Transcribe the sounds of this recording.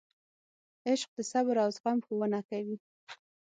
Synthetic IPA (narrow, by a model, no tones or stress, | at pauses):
ɪʃq̚d̪əsabɾawzɣamxowənakawi